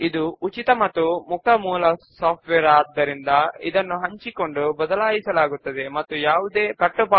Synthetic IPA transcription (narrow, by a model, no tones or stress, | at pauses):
id̪uʔːt͡ʃit̪ɐmɐt̪ːumuk̚ɐmuːlɐsaːp̚ʈʋɛːɾaːd̪ːɐɾind̪ɐid̪ɐnːuɦɐɲt͡ʃiko̞ɳɖubɐd̪ɐlaːjisɐlaːɡut̪ːɐd̪e̞mɐt̪ːujaːʋud̪e̞ːkɐʈːuba